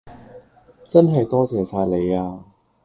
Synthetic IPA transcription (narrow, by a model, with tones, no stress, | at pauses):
t͡sɐ˥nɦɐ˨jt̪ɔː˥t͡sɛː˨˥saː˧jle˨˧jaː˧